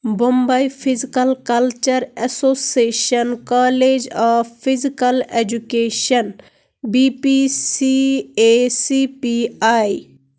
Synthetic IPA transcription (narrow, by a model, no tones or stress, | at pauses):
bõmbɐipʰizikɐlkɐlt͡ʃɐɾɛsosieːʃɐnkaled͡ʒapʰːizikɐled͡ʒukeːʃɐn | bipisiesipiaj